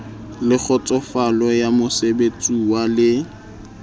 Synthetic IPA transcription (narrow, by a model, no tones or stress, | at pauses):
lɪk͡xʰɔt͡sʼɔfalɔjamʊsebet͡sʼuwalɪ